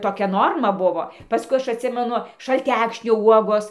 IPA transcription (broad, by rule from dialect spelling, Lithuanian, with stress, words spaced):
toːˈkʲɛ ˈnoːrmɐ ˈbʊʋoː pɐˈskʊɪ ˈɐʃ ɐtʲˈsʲɪmʲɛnʊ ʃɐlʲˈtʲækʃʲnʲoː ˈuɔɡoːs